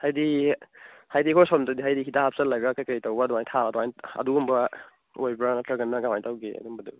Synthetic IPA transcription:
hajdi | hajdikʰɔsɔmtadiɦajdiɦidahap̚ʰsalːaɡakajkaitawbadɔŋajntʰaadɔajnɐ̰duumba | ojbɾanatʰaɡɐnːaɡawajtawɡea̰dumbɐdu

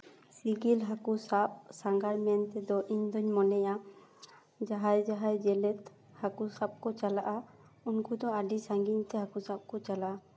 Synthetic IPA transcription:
siɡilɦakusap̚saŋɡaɾmɛnt̪ɛd̪ɔʔiɲd̪ɔɲmɔnɛja | d͡ʒaɦajd͡ʒaɦajd͡ʒɛlɛt̪ | hakusab̚kɔt͡ʃalaʔa | unkud̪ɔaɖisaŋɡiɲt̪ɛɦakusap̚kɔt͡ʃalaʔa

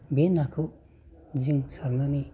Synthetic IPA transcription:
benːakʰɯ | ziŋsaɾnani

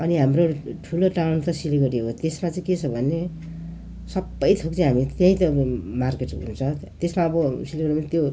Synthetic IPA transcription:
ʌniɦamroʈʰuloʈawnt̪ʌsiliɡʌɾeɦot̪esmat͡sʌĩket͡sʰʌbʱʌnːe | sʌbːʌjt̪ʰok̚t͡sĩɦamit̪jãĩt̪ʌmarkeʈɦṵnt͡sʰʌt̪esmaʌbʌsilɡʌɾmat̪jo

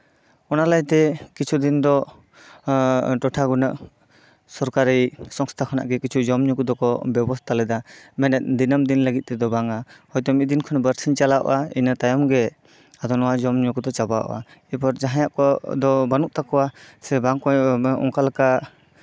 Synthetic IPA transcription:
ɔnalajt̪ɛkit͡ʃʰud̪ind̪ɔ | ʈɔʈʰaɡunaʔ | sɔɾkaɾisɔŋst̪ʰakʰana̰ʔɡɛkit͡ʃʰud͡ʒɔmɲukud̪ɔkɔbjɛbɔst̪ʰalɛd̪amɛnɛt̪̚d̪inəmd̪inləɡit̪̚t̪ɛd̪ɔbaŋahɔjd̪ɔmid̪inkʰɔnbəɾsiɲt͡ʃalaɔ̰ʔainat̪ajɔmɡɛ | ad̪ɔnɔwad͡ʒɔmɲɔkud̪ɔt͡ʃaba̰ʔa̰ | ɛpɔɾd͡ʒaɦãjaʔkɔd̪ɔbanuʔ̚t̪akɔwasɛbaŋkɔɔ̰ŋkalaka

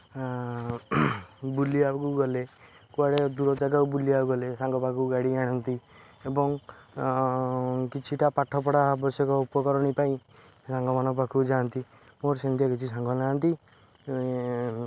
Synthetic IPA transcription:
buliakuɡɔle | kuaɽed̪uɾɔd͡ʒaɡaubuliakuɡɔlesaŋɡɔpakʰuɡaɽiaɽ̃ɔnt̪i | ebɔŋ | kit͡ʃʰiʈapaʈʰɔpɔɽabɔsjɔkɔupɔkɔɾɔnipaĩ | sãŋɡɔmanɔpakʰud͡ʒant̪i | moɾsent̪jɔkit͡ʃʰisãŋɡɔnãnt̪i

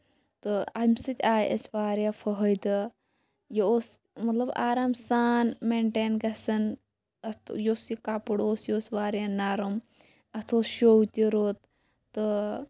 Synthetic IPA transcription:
t̪ɨɐmʲsɨt̪ʲaːjʔɐ̰sʋaːɾjafʰɐɦɐjd̪ɨ | jeoːs | mɐt̪lɐbaːɾamsaːnmeɳʈeːnɡɐsɐn | ɐt̪ʰjosikapuɽoːsjoːsʋaːɾjaːnaɾum | ɐt̪ʰoːsʃowt̪ʲiɾoːt̪ː | ɨ

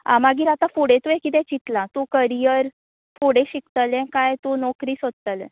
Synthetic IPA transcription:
a̰maɡiːɾat̪ãfuɽẽt̪uekit̪̬ɛ̃t͡ɕit̪lãt̪ũkəɾijəɾ | fuɽẽɕikt̪əlɛ̃kajt̪ũnɔkɾiːsod̪̚t̪əlɛ̃

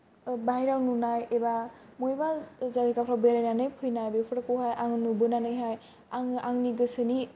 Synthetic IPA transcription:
baijɾawnunajebamojbazaɡikapʰɾawbeɾajnanɯjpʰɯjnajbepʰɯɾakuɦajʔaŋɯnubɯnanɯjɦaj | aŋaŋniɡɯsɯni

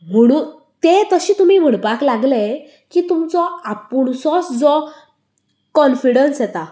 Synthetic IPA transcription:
m̤əɽ̃uːn | t̪et̪əɕiːt̪um̤iːm̤əɽpaklaɡle | kiːt̪umt͡sɔapuɭsɔsd͡zɔ | kɔnfiɽənsjɛt̪a

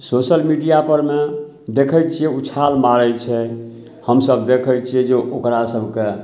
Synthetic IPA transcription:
sosəlmiɖijapəɾme | d̪ekʰəjt͡ʃʰijɛut͡ʃʰalmaɾɛt͡ʃʰɛ | həmsəbd̪ekʰəjt͡ʃʰijɛd͡ʒeʔokɾasəbʱke

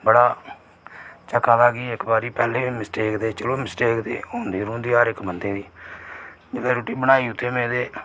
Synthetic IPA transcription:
bəɽaː | t͡ʃəkaːd̪aːɡiːɪkbaːɾiːpɛːleːmɪsʈeːkd̪eːt͡ʃəloːmɪsʈeːkd̪ḛːɦõnd̪iːɾũːnd̪iːaːɾɪkmənd̪eːd̪iː | d͡ʒeleːɾuːʈiːbəɽ̃aːiːʊt̪ʰːeːmẽːd̪eː

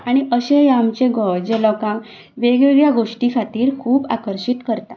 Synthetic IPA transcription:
aɽ̃iʔəɕejamt͡ɕẽɡɔd͡ʑelɔkãŋ | ʋeɡʋeɡɭjaɡoʂʈikʰat̪iːɾkʰuːba̰kəɾɕit̪kəɾt̪a

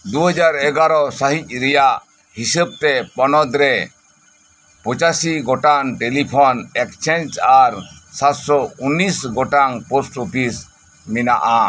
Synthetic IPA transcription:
d̪uɦəd͡ʒaɾɛɡaɾɔsaɦic̪̚ˀɾɛjaʔ | hisəb̚t̪ɛpɔnɔd̪ɾɛ | pɔt͡ʃasiɡɔʈanʈelipʰɔnɛkt͡ʃɛnd͡ʒaɾsat̪sɔunːisɡɔʈaŋposʈopʰis | minaʔa

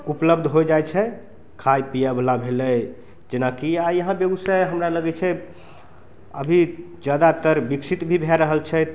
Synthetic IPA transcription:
upləbd̪ʱɦojd͡ʒajt͡ʃʰɛ | kʰajpijablabʱelɛ | d͡ʒenakiajəɦãbeɡəsajɦəmɾaləɡɛt͡ʃʰɛ | ə̰bʱi | d͡ʒjad̪at̪əɾbiksʰit̪bʱibʱɛɾəɦəlt͡ʃʰɛ

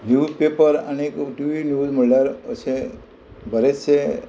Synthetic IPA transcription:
njuːpepəɾa̰nekʈiʋinjuzməɭlaɾə̰sʰe | bʱəɾet͡ʃʰe

